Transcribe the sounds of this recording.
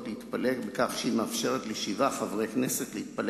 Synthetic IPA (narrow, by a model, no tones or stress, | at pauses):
tleit̪palekbekaχʃimeafʃe̞ʁet̪leʃivaχavʁejkneseklehit̪̚pal